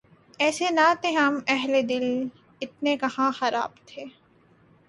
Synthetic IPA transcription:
ɛːsenat̪ʰeɦɐmɛɦled̪ɪl | ɪt̪̚nekɐhãxɐɾa̰ːbt̪ʰeː

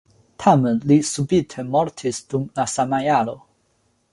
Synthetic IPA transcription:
t̪ʰamənlisubit̪ʰemɔɾt̪ʰisd̪̥umlasamajalo

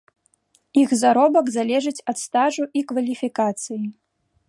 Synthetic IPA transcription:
ixzaɾɔbɐkzalʲɛʐɨt͡sʲɐt̪st̪aʐuʔikvɐlʲifʲikat̪sɨji

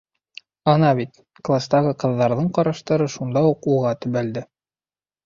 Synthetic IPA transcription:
ɑnɑβit̪ | klˠast̪ɑʁɤqɤ̆ðːɑɾðɤɴqɑɾɑʃt̪ɤ̆ɾɤʃund̪ɑuquʁɑt̪ɵ̆βæld̪ɘ

